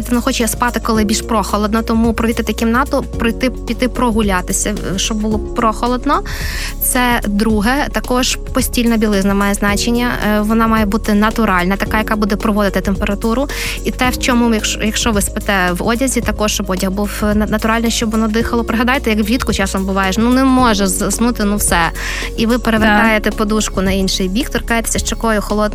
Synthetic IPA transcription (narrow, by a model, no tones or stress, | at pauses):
t̪ɔnɔxɔt͡ʃɛspɑt̪ɪkɔlˠɪbʲilʲʃpɾɔxɔlˠɔd̪nɔt̪ɔmupɾɔʋʲit̪ɪt̪ɐkʲimnɑt̪ɔpɾɔjt̪ɪpʲit̪ɪpɾɔɦʊlʲat̪ɪsʲɐʃt͡ʃɔbbulˠɔpɾɔxɔlˠɔd̪nɔ | t̪sɛd̪ɾuɦɛt̪ɐkɔʒpɔsʲtʲilʲnɐbʲilˠɪznɐmɑjɛznɑt͡ʃenʲːɐʋɔnɑmɑjɛbut̪ɪnɐt̪ʊɾɑlʲnɐt̪ɐkɑjɐkɑbud̪ɛpɾɔʋɔd̪ɪt̪ɪt̪empeɾɐt̪uɾʊ | it̪ɛwt͡ʃɔmujɐkʃjɐkʃt͡ʃɔʋɪspɪt̪ɛʋɔdʲɐzʲit̪ɐkɔʃt͡ʃɔbɔdʲɐhbuw̪nɐt̪ʊɾɑlʲnɐʃt͡ʃɔbɔnɔd̪ɪxɐlˠɔpɾeɦɐd̪ɑjt̪ɛjɐkʋlʲit̪kʊt͡ʃɑsɔmbʊʋɑjeʃnunɛmɔʒɛzsnut̪ɪnuwsɛ | iʋɪpeɾeʋeɾkɑjet̪ɛpɔd̪uʃkʊnɐinʃɪjbʲikt̪ɔrkɑjet̪e̥sʲɐʃt͡ʃɐkɔjʊxɔlˠɔd̪